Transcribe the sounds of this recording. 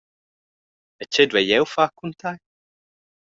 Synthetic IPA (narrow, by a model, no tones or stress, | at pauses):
ət͡ʃʰɪd̪wɛjɛwfakʰunt̪ʰaj